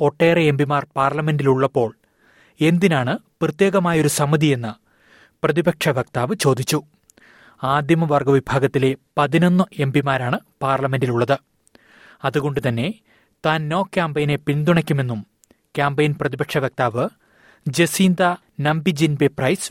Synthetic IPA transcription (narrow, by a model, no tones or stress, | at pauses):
o̞ʈːe̞ːrɐembimaːrpaːrlɐme̞ndiluɭːɐpːo̞ːɭ | e̞nd̪inaːɳɨprɨt̪je̞ːɣɐmaːjɐo̞ɾusɐmɐðije̞nːɐ | prɐðibɐkʂɐʋɐk̚t̪aːʋɨt͡ɕo̞ːd̪ʱit͡ɕːu | aːd̪ʱjɐmɐʋɐrɡɐʋibʱaːɡɐt̪ːile̞pɐðino̞nːɨʔe̞mbimaːɾaːɳɨpaːrlɐme̞ndiluɭːɐðɨ | ɐðuɣo̞ɳɖɨt̪ɐnːe̞ | t̪aːnːo̞ːkʲːaːmbɐjne̞pind̪uɳɐkʲːume̞nːum | kʲaːmbɐjnprɐðibɐkʂɐʋɐk̚t̪aːʋɨ | d͡ʑesiːnd̪ɐ | nɐmbid͡ʑinbeprɐjs